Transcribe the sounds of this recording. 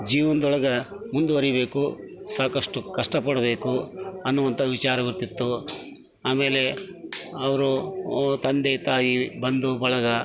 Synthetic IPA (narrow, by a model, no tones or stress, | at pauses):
d͡ʒiːʋɐnd̪ɔɭɐɡɐmund̪uʋɐɾijbe̞ːkusaːkɐʂʈukɐʂʈɐpɐɽɐbe̞ːkuɐnːuʋɐnt̪ʰɐʋit͡ʃaːɾɐʋiɾt̪it̪ːu | aːme̞ːle̞ | ɐʋɐɾut̪ɐnd̪et̪aːjibɐnd̪ubɐɭɐɡɐ